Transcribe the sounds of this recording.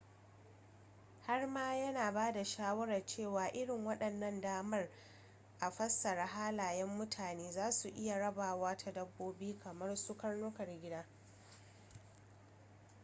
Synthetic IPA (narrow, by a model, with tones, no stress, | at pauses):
ha˦rmaː˦jɐ˦naː˨baː˦da˨ʃaː˦wɐ˦ɾɐ˨rt͡ʃeː˦˨waː˨ʔɪ˦ɽɪ˨ŋwɐ˦ɗɐ˨nːɐ˦ndaː˦mɐ˦r | ʔa˨ɸɐ˦sːɐ˨ɾa˦ɦaː˦laː˨jɛ˦mːʊ˦tʰaː˨neː˦zaː˦su˨ʔɪ˦ja˨ɽɐ˦baː˨waː˦tʰa˦dɐ˦bːoː˦biː˦kʰɐ˨mɐ˦rsʊ˦kɐ˦nlʊː˦kɐ˨rɡʲɪ˦daː˦